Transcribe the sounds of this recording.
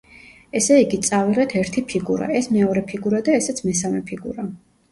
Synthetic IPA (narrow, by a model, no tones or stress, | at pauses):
ɛsɛiɡit̪sʼaviʁɛt̪ʰɛɾt̪ʰipʰiɡuɾa̰ɛsmɛɔɾɛpʰiɡuɾad̪aɛsɛt̪sʰmɛsamɛpʰiɡṵɾa